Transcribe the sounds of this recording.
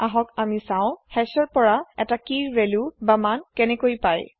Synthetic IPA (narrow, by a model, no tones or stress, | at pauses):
aɦɔkamisãʊ̃hɛsɔɹpɔɹaɛtakiɹvɛlubamankɛnɛkojpaj